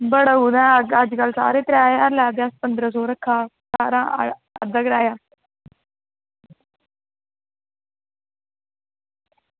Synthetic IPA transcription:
bəɽəuːd̪ɛ̃ːəəd͡ʒkəlsa̰ːɾeːt̪əɾaːəɾlɛːd̪aspənd̪ɾəsɔːɾəkʰːaːsaːɾãːə̰d̪əɡɾaːjaː

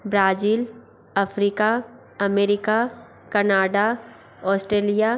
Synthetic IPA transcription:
bɾaːziːl | ɐfʰɾiːka | ɐmeːɾɪka | kɐnaːɖa | ɔːsʈɾeːlija

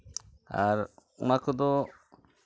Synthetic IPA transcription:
aɾmakɔd̪ɔ

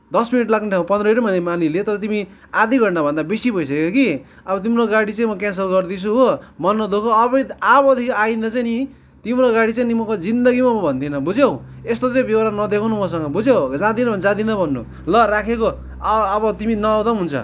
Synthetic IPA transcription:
d̪ʌsminiʈlakneʈʰaw̃pʌnd̪ɾʌeɾmʌnemanilet̪ʌɾʌt̪imi | ad̪iɡʱʌɳɖabʱʌnd̪abesibʌjsʌkekoki | ʌbʌt̪imɾoɡaɽit͡saĩmʌkans̬ʌlɡʌrd̪it͡sʰuɦomʌnːʌd̪okʰoʌβʌabʌd̪ʱikainʌt͡sajni | t̪imɾoɡaɽit͡sajnimʌkod͡zind̪ʌɡimamʌbʱʌnd̪inʌbud͡zjew̃ | est̪ot͡saĩbewaɾanʌd̪ekʰawnumʌs̬ʌŋɡʌbud͡zjewd͡zãd̪inʌbʌnd͡zãd̪inʌbʱʌnːṵ | lʌrakʰekoː | βʌt̪iminʌawd̪ʌɦunt͡sʰʌ̰

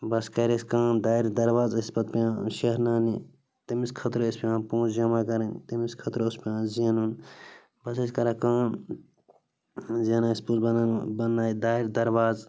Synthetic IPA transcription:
bɐskɐɾeskãːnd̪aːiɾd̪ɐɾʋaːzɐspɐt̪piãːʃɐɦɾnaːni | t̪imiskʰɐt̪ɾispiãːpõːt͡ʃd͡ʒɐmakɐɾɐnt̪imiskʰɐt̪ɾospiãːziɐnun | bɐseskɐɾakãːn | ziɐnaispuzbɐnːnbɐnːaːid̪aːiɾʲd̪ɐɾʋaːz

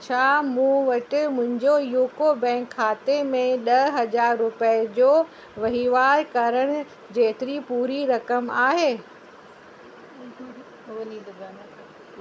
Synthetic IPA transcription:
t͡ɕʰaːmũːʋɐʈɪ̆mʊ̃ɦɪ̃ɲd͡ʑojuːkobɛ̃ːŋkʰːaːt̪emẽɗɐɦɐd͡ʑaːɾːʊpəd͡ʑoː | ʋɐɦiʋaːɾkɐɾəɽ̃ɪ̆ | d͡ʑeːt̪ɪɾipuːɾiɾɐkəmaːɦeː | ɐnid̪ɡɐn

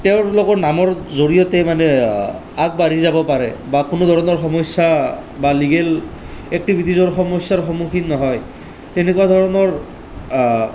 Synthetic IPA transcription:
tɛʊɹlokɔɹnamɔɹzoɹijɔtɛmanɛ | aɡ̚baɹizabɔpaɹɛbakʊnod̪ʱɔɹɔnɔɹxɔmɔsabaliɡel | ɛk̚tibʱitizɔɹxɔmɔsːaɹxɔmukʰinnɔɦɔj | tɛnekuwad̪ʱɔɹɔnɔɹ

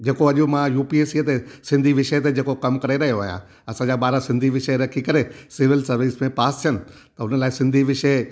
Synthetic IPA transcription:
d͡ʑeːkoɐʄumãjuːpieːsiət̪esɪ̃nd̪ʱiʋɪʃət̪̬ed͡ʑeːkokɐmkɐɾeɾɐɦijoaːɦijã̰ | ɐsãd͡ʑaːɓaːɾasɪ̃nd̪ʱiʋɪʃəɾɐkʰikɐɾesɪʋɪlsɐɾʋiːsmẽpaːst̪ʰijənɪ̆ | t̪ɐʊnəlaːɪsɪ̃nd̪ʱiʋɪʃə

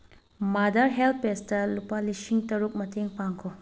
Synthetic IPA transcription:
madɐɾɦelt̚pestɐlupalisiŋtɐɾuk̚mɐteŋpaŋkʰo

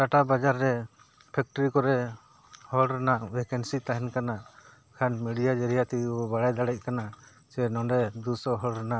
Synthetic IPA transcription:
taʈabad͡ʒaɾːɛ | pʰɛk̚ʈɔɾikɔɾɛ | hɔlɾɛnaʔwɛkɛnsit̪aɦɛnkana | kʰanmɛɖijad͡ʒɛɾijat̪iɔbaɽajd̪aɽɛc̚ˀkana | sɛnɔɳɖɛd̪usɔɦɔlɾɛnaʔ

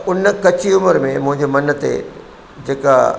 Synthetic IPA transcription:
ʊnəkɐt͡ɕiʊməɾmẽmʊ̃ɦɪ̃ɲd͡ʑemɐnət̪ḛ | d͡ʑeːka

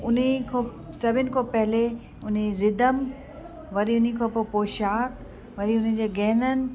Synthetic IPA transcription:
ʊnikʰoː | sɐbʱɪənɪ̆kʰoːpɐɦɪle | ʊn̤eɾɪd̪əm | ʋɐɾiʊnikʰopopoːʃaːk | ʋɐɾiʊnəd͡ʑeːɡɛɦnənɪ̆

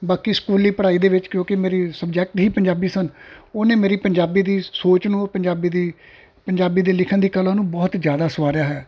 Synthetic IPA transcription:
baːkiːskuːlːiːpəɽaːiːd̪eːʋɪt͡ʃkjõːkɪmeːɾiːsəbd͡ʒɛːk̚ʈɦiːpəɲd͡ʒaːbiːsənoːnẽːmeːɾiːpəɲd͡ʒaːbiːd̪iːsoːt͡ʃnũːpə̃ɲd͡ʒaːbiːd̪iː | pəɲd͡ʒaːbiːd̪eːlɪkʰənd̪iːkəlãːnũːbɔːt̪zjaːd̪aːsəʋaːɾjaːɦɛː

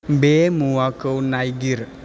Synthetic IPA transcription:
bemuwakəwnajɡiɾ

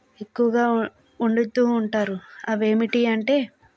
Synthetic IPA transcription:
e̞kːuʋɐɡaː | uɳɖut̪ːuːɳʈaːɾuɐʋe̞ːmiʈiɐɳʈe̞ː

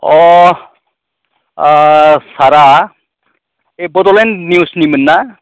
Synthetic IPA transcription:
ɔ | saɾa | ebɔdɔlɛnnjusnimənːa

